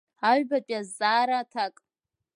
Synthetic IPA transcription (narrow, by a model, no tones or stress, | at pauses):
aɥbapʼjazaːɾatʰakʼ